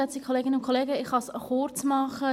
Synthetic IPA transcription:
ɛt͡sɪɡ̥əkʰoleːɡɪnəʊntkʰoleːɡəɪχhɑsχʊɾt͡smɑχə

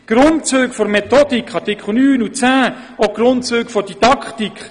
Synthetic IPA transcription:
ɡ̥rʊntt͡søːɡfɔɾmɛt̪ɔdikχɑrtɪkʰχl̩nyːnut͡sæː | oɡ̥rʊntt͡søːɡfɔd̥id̥ɑkχtikχ

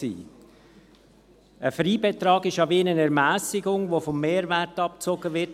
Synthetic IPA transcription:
ḭː | əfɾiːbɛtɾɑːɡɪʃɑbiːnənɛɾmæːsɪɡʊŋʋofɔmːeːɾvɛɾtɑp̚t͡soɡəʋɪt

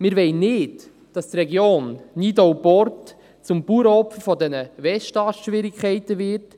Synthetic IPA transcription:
mɪːɾʋɛɪnnɪt | d̥ɑst̪rɛɡjoːnːidɔwpɔrt | t͡sʊmpuɾəɔpfəfɔdɛnəvɛʃtɑːsʃʋɪɾikχɛɪtəʋɪɾt

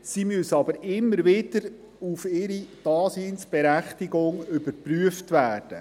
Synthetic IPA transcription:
simøsɑbəɾɪmːəɾʋɪd̥əɾ | ufɪɾid̥ɑːsiːnsb̥ɛɾæχtiɡʊŋʏbəɾpryəftʋæːrd̥ə

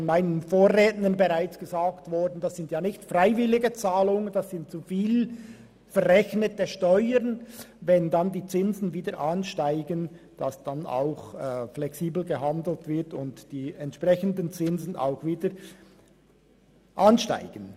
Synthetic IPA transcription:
fɔnmaɪnənfoːrʁeːtnənbəʁaɪt͡sɡ̥əzaːktvɔɾdn̩dɑsz̥ɪntjaːnɪçtfraɪvɪlɪɡət͡saːlʊŋənd̥asz̥ɪnt̚t͡sufiːl | fɛɾʁɛçnətəʃtɔʏəɾnvɛndandiːt͡sɪnzn̩viːdəɾʔanʃtaɪɡən | d̥asd̥ana̰ʊxflɛksiːbl̩ɡəɦandl̩tv̥ɪʁtʊntd̥iːɛntʃprɛçəndənt͡sɪnzn̩a̰ʊxviːdəɾ | ʔanʃta̰ɪɡ̥ən

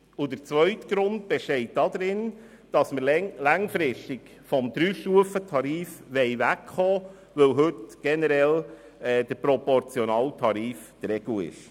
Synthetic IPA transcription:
ʊdəɾt͡sʋœʏtɡ̥ɾʊndb̥ɛʃtɛɪt̚d̥ɑd̪ɾɪn | d̥ɑsməɾlæŋfɾɪʃtɪk | fɔmd̥̪ɾyːʃtuəfətʰɑɾiːfʋɛɪʋækχoː | ʋəwɦɵtɡ̥ɛnəɾɛl | ɛːd̥əɾpɾɔpɔɾt͡sjɔnɑːltʰɑɾiːfd̥ɾɛɡ̥l̩ɪ̰ʃ

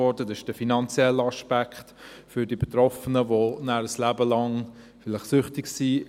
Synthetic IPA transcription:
ɔɾdədɪʃd̥əfinɑnt͡sjɛlːɑʃpækχtfʏɾdibet̪ɾɔfənəvonæɾəslæːbəlɑŋ | fɪlɪχsʏχtɪksiː

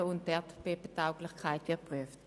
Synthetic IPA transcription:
əʊntd̥ɛɐtb̥epətaʊklɪχkʰaɪtvɪpʁyəft

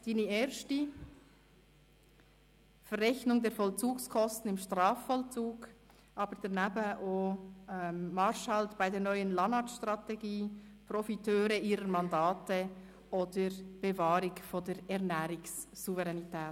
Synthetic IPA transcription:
d̥iːnieɾʃti | fərːɛçnʊŋdeːɐfɔlt͡suːkskʰɔstn̩ɪmʃtʁɑːfːɔlt͡suːɡ̥ | ʔɑːbədeːɾnabɛʔoː | mɑɾʃhɑltb̥aɪdeːɐnɔʏənlɑnɑtʃtʁɑteɡiːprofitʰøːɾəiːɾəɾmɑndaːtə | ʔoːdəɾb̥evɑːɾɪkfondeːɾɛʁnɛːɾɪksːuvɛʁɛnitʰɛːt

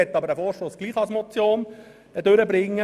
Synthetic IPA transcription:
ɛt̪ːɑbəɾəfɔːɾʃtoːsɡ̥liːχɑsmɔt͡sjoːn | d̥̪øɾəbɾɪŋːə

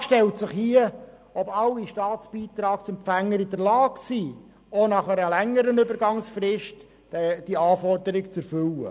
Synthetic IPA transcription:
ʃtɛltsɪχhiə | ɔbɑlːiʃtɑːt̪t͡sb̥iːt̪ɾɑːksɛmpfæŋːəɾɪdəɾlɑːɡsiː | onɑχɛɾəlæŋːəɾənʏbəɾɡɑŋsfɾɪʃt | ɛd̥iɑːfɔrdəɾɪkt͡sɛɾfʏlːə̰

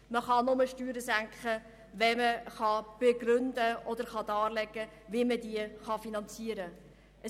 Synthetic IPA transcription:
məχɑnʊməʃtyːɾəzæŋkχə | ʋɛməχɑb̥eɡɾʏnd̪əɔd̪əɾχɑd̪ɑːrlɛɡːəʋiɪmədiəχɑfinɑnt͡siəɾə | ʔə

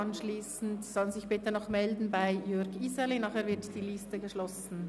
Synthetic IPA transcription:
ɑnʃliːsn̩tzɔlnzɪçb̥ɪtənɔχmɛldn̩baɪjʏɐɡizɛlenɑːχeːɐvɪʁtd̥iːlɪstəɡəʃlɔsn̩

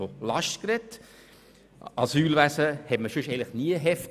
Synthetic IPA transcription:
olɑʃtkɾɛt | ɑsyːlvæsəhɛtməʃʉʃeɪɡŋlɪχniəɦɛft

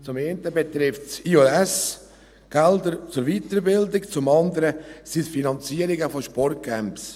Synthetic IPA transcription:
t͡sʊmeɪntəbɛt̪ɾɪftsioɛs | ɡ̥ɛld̪əɾt͡sʊɾviːtəɾbɪldɪkt͡sʊmɑnd̪əɾəsitfinɑnt͡siːəɾɪɡəfɔʃpɔrt̚ɡ̥ɛmps

